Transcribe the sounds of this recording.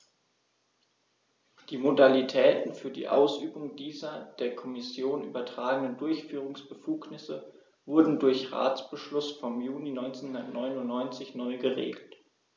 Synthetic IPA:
d̥iːmodalitʰɛːtn̩fyːɐdḭːʔa̰ʊsʔyːbʊŋdiːzɐd̥eːɐkʰɔmɪsjoːnʔyːbɐtʁ̥aːɡənəndʊɐçfyːʁ̞ʊŋsb̥əfuːknɪsə | vʊɐdn̩dʊɐçʁa̰ːt͡sb̥əʃlʊsfɔmjuːninɔʏnt͡senhʊndɐtnɔʏnʊnnɔʏnt͡sɪçnɔʏɡəʁḛːɡl̩t

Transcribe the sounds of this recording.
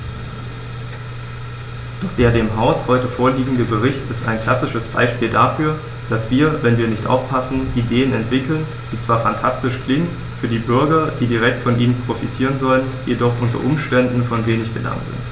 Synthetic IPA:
d̥ɔχd̥eːɐdeːmɦaʊshɔʏtəfoːɐliːɡŋ̩dəbəʁ̞ɪçtɪsta̰ɪnkl̥asɪʃəsb̥a̰ɪʃpiːldafyːɐ | d̥asv̥iːɐvɛnviːɐnɪçtʔa̰ʊfpʰasn̩ʔideːənɛntv̥ɪkl̩n | d̥iːt͡sv̥aːɐfantʰastɪʃklɪŋən | fyːɐdiːbʏɐɡɐd̥iːdiʁ̞ɛk̚tfɔnʔiːnənpʁ̥ofitʰiːʁ̞ənzɔlənjedɔχʔʊntɐ̰ʔʊmʃtɛndn̩fɔnveːnɪçb̥əla̰ŋtz̥ɪ̰nt

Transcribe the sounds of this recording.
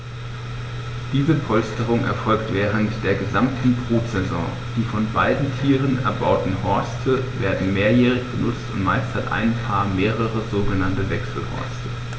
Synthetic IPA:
d̥iːzəpʰɔlstəʁ̞ʊŋʔɛ̰ɐfɔlktv̥ɛːʁ̞əntd̥eːɐɡəzamtn̩bʁoːtz̥ɛzɔ̰̃ː | d̥iːfɔnbaɪdn̩tʰiːʁənɛ̰ɐbaʊtn̩hɔɐstʰəveːɐdn̩meːɐjɛːʁɪçb̥ənʊt͡stʊntmaɪstʰɐtʔa̰ɪnpʰaːɐmeːʁəʁəzoːɡənantəvɛksl̩hɔ̰ɐstʰə

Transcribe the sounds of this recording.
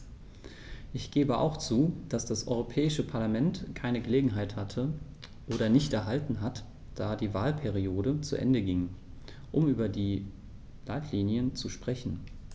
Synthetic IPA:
ʔɪçɡ̥eːbəʔa̰ʊxt͡suːd̥asd̥asʔɔ̰ʏʁopʰɛːɪʃəpʰaɐlamɛntkʰaɪnəɡəleːɡŋ̩ɦaɪthatʰə | ʔoːɾɐnɪçtɛɐɦaltn̩ɦat | d̥aːdiːvaːlpʰɛʁ̞ioːdət͡sṵʔɛ̰ndəɡɪŋ | ʔʊmʔyːbɐdiː | laɪtʰliːnjənt͡suʃpʁ̥ɛçn̩

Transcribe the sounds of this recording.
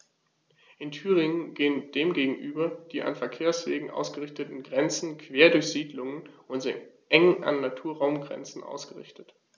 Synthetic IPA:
ʔɪntʰyːʁ̞ɪŋənɡeːənd̥eːmɡeːɡŋ̩ʔyːbɐd̥iːʔa̰nfɛɐkʰeːɐsv̥ḛːɡŋ̩ʔa̰ʊsɡ̥əʁɪçtətn̩ɡʁɛnt͡sn̩kʰv̥eːɐdʊɐçz̥iːdlʊŋənʔʊnz̥ḭ | ʔɛŋŋʔa̰nːatʰuːɐʁaʊmɡʁɛ̰nt͡sn̩ʔa̰ʊsɡ̥əʁɪ̰çtət

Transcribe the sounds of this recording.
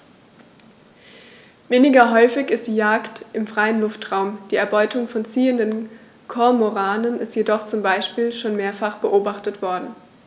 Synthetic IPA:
veːnɪɡɐɦɔʏfɪçɪstd̥iːjaːktʔɪmfʁ̥aɪənlʊftʁ̥aʊmd̥iːɛɐbɔʏtʊŋfɔnt͡siːəndən | kʰɔɐmoʁaːnənɪstjedɔχt͡sʊmbaɪʃpiːlʃoːnmeːɐfaχb̥əʔoːbaχtətv̥ɔɐdn̩

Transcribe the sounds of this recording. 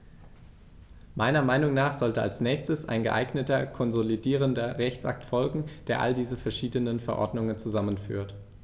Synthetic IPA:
maɪnɐmaɪnʊŋnaːχz̥ɔltəa̰lsnɛːçstəsʔa̰ɪnɡəʔaɪɡnətɐkʰɔnzolidiːʁ̞əndɐʁɛçt͡sʔa̰k̚tfɔlɡŋ̩d̥eːɐʔa̰ldiːzəfɛɐʃiːdənənfɛɐʔɔ̰ɐdnʊŋənt͡suzamənfy̰ːɐt

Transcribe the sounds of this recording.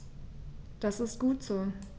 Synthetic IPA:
d̥asɪst̚ɡ̥uːtz̥oː

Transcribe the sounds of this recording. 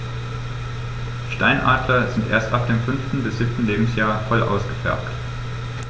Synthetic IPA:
ʃtaɪnʔa̰ːtʰlɐzɪntʔḛːɐstʔap̚d̥eːmfʏnftn̩bɪsz̥ɪp̚tn̩leːbm̩sjaːɐfɔlʔa̰ʊsɡ̥əfɛ̰ɐpt

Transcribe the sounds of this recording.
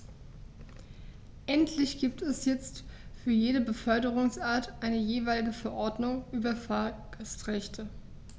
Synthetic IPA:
ʔɛntʰlɪçɡ̥iːp̚tʰɛsjɛt͡stfyːɐjeːɾəbəfœɐdəʁʊŋsʔaːɐtʔaɪnəjeːvaɪlɪɡəfɛɐʔɔɐdnʊŋʔyːbɐfaːɡəstʁɛçtʰə

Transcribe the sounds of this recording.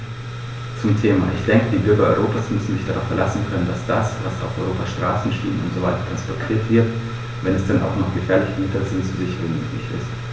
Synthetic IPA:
t͡sʊmtʰeːma̰ʔɪçd̥ɛŋkədiːbʏɐɡɐɔʏʁoːpaːsmʏsn̩mɪçd̥aʁaʊfɛɐlasn̩kʰœnəndasd̥asvasa̰ʊfʔɔ̰ʏʁoːpasʃtʁ̥aːsn̩ʃtḭːənʊ̰ntz̥ovaɪtɐ̥tʰanspɔɐtʰiːɐtv̥ɪɐt | vɛnɛsd̥ɛnʔa̰ʊxnɔχɡ̥əfɛːɐlɪçmɪtɐz̥ɪntz̥uzɪçəʁɪnmøːklɪçɪ̰st

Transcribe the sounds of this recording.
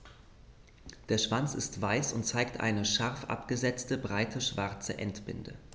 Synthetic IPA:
d̥eːɐʃv̥ant͡sɪstv̥aɪsʊntt͡saɪktʔa̰ɪnəʃaʁfʔa̰pɡ̥əzɛt͡stəbʁaɪtʰəʃv̥aɐt͡sə̰ʔɛntb̥ɪ̰ndə̰

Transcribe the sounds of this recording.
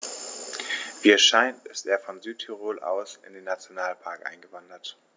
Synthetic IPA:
viːɛʃaɪntɪstḛːɐfɔnzyːtʰyʁoːlʔa̰ʊsɪ̰ndeːnːat͡sjonaːlpʰaɐkʔa̰ɪnɡəvandɐt

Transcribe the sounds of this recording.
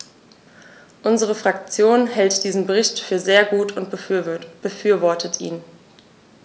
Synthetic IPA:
ʔʊnzəʁ̞əfʁ̥ak̚t͡sjoːnhɛltd̥iːzn̩bəʁ̞ɪçtfyːɐzeːɐɡuːtʰʊntb̥əfyːɐvɔɐtʰətʰʔḭːn

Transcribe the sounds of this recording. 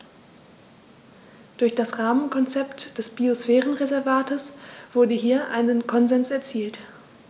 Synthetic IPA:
d̥ʊɐçd̥asʁaːmənkʰɔnt͡sɛptd̥ɛsb̥iosfɛːʁənʁezɛɐvaːtʰəsv̥ʊɐdəɦiːɐʔa̰ɪnənkʰɔnzɛnsɛɐt͡siːlt

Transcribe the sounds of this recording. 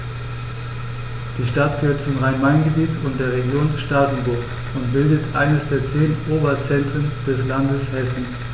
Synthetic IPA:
d̥iːʃtat̚ɡ̥əhøːɐt̚t͡sʊmʁaɪnmaɪnɡəbiːtʰʊnt̚d̥eːɐʁeɡjoːnʃtaːdn̩bʊɐk | ʊntb̥ɪldətʔa̰ɪnəsd̥eːɐt͡seːnʔoːbɐt͡sɛntʁ̥ənd̥ɛslandəshɛsn̩

